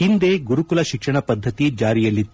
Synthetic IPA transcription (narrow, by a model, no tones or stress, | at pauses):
ind̪eɡuɾukulɐʃikʂɐɳɐpɐd̪ʱːɐt̪id͡ʒaːɾijɐlːit̪ː